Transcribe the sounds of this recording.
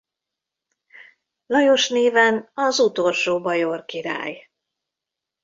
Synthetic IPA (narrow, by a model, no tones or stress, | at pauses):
lɒjo̞ʃneːvɛnɒzut̪o̞lʃoːbɒjo̞rkiɾa̰ːj